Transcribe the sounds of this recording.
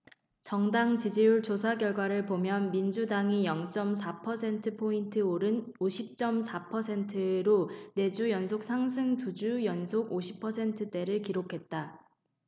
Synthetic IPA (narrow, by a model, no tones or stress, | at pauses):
t͡ɕʌŋdaŋt͡ɕid͡ʑiuɭt͡ɕosʰaɡjʌɭɡwaɾɯɭpomjʌnmind͡ʑudaŋijʌŋt͡ɕ͈ʌmsʰapʰʌsʰe̞ntʰɯpʰointʰɯoɾɯnoɕʰip̚t͡ɕ͈ʌmsʰapʰʌsʰe̞ntʰɯɾone̞d͡ʑujʌnsʰok̚sʰaŋsʰɯŋtud͡ʑujʌnsʰoɡoɕʰi̥pʰʌsʰe̞ntʰɯt͈e̞ɾɯɭkiɾokʰe̞t̚t͈a